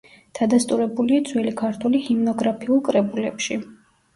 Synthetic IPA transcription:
d̪̥ad̪ast̪ʼuɾɛbuliad̪zwɛlikʰaɾt̪ʰwulihimnɔɡɾapʰiulˠkʼɾɛbulɛ̰pʃi

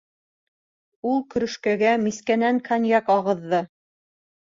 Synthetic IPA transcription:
ulˠkɵ̆ɾɵ̆ʃkæɡæmiskænæŋkʰanʲjɑkɑʁɤ̆ðːɤ

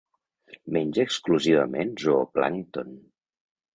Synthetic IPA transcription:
meɲʲʒəkskluziβəmenzoopla̰ŋt̪on

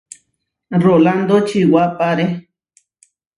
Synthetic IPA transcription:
roland̪ot͡ʃiwapaɾe

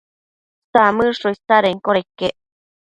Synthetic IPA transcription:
st̪amɨʂoist̪aɾeŋkoɾekːeʔ

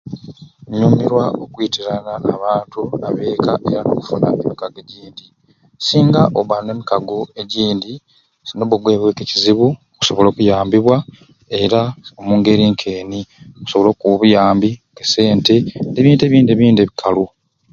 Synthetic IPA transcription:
ɲuːmiɾwaokwiːtiɾanaʔːβaːntuaβe̞ːkaʔe̞̰ɾano̰kufuna̰ʔemikaɡe̞ɟiːndi | siːŋɡaʔoβane̞ːmikaɡoe̞ɟiːndi | zinoβuɡwe̞ːβwe̞keciziβuoku̥so̞βo̞lo̞ːkujaːmbiβwa | e̞ɾaomuːŋɡe̞ɾiːŋkʰe̞ːnioku̥so̞βo̞lo̞ːkuβujaːmbikese̞ːnte̞neβiːnteβiːndieβiːndeβikʰalu

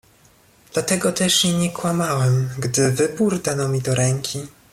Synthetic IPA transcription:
d̪lat̪ɛɡɔt̪ɛʂjiɲɛkwamawɛmɡd̪ɘvɘbuɾd̪anɔmʲid̪ɔɾɛŋkʲʰi

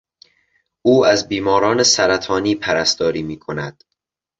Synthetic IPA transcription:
ʔuːæzbiːmɒːɾɒːnesæɾæt̪ʰɒːniːpʰæɾæst̪ɒːɾiːmiːkʰonæd̪̥

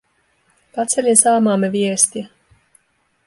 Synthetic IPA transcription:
pat̪sʲɛlʲisaːmaːmɛvʲiɛsʲt̪ʲja

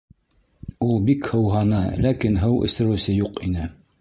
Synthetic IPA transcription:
ulˠbikhɤ̆wɦɑnɤlækinɦɤwʔɘ̰̆sɘ̆ɾɘ̆wsɘjuqinɘ

